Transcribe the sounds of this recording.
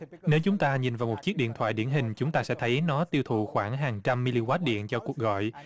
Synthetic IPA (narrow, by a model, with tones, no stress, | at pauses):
ne˨˦wt͡ɕʊ˨˦ŋ͡mt̪aː˧ɲi˨˩nvaː˨˩wmo˨˩t̚t͡ɕi˦˥ək̚ɗḭ˧˨ənt̪ʰwa̰ː˧˨jɗi˧˩ənɦï˨˩ŋ̟t͡ɕʊ˨˦ŋ͡mt̪aː˧sɛ̰˧˥t̪ʰə˨˦jnɔ˨˦t̪i˧əwt̪ʰṵ˧˨xwaː˧˩ŋɦaː˨˩ŋt͡ɕa˧mːi˧li˧kwaː˦˥t̚ɗḭ˧˨ənt͡ɕɔ˧ku˨˩ək̚ɣɔ̰˧˨j